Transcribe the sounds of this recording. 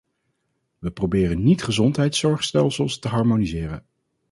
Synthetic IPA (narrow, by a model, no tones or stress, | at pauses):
ʋəprobɪːrənitχəzɔntɦɛjtsɔɹχstɛlˠsəlˠstəɦɑɹmonizɪːrə̰n